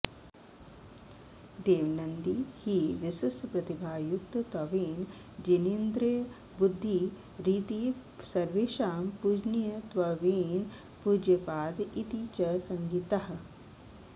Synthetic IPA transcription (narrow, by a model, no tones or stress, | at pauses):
d̪eːʋnɐnd̪ihiːʋɪsɪspɾɐt̪ibʱaːjukt̪t̪ɐʋeːn | d͡ʒenind̪ɾi | bud̪ʱːi | ɾiːt̪isɐɾʋeːʃaːmpud͡ʒnijət̪ʋɐʋeːn | puːd͡ʒjɐpaːd̪it̪it͡ʃɐsɐŋɡit̪ɐɦɐ̆